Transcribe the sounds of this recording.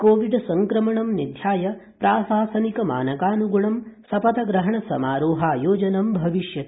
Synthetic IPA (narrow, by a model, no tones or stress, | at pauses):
koːʋiɖsɐŋkɾɐmɐɳɐmnid̪ʱjaːjɐpɾaːsaːsɐnikɐma̰ːnɐkaːnuɡuɳɐmsɐpɐt̪ɐɡɾɐɦɐɳɐsɐmaːɾoːɦaːjoːd͡ʒɐnɐmbʱɐʋiʃjɐ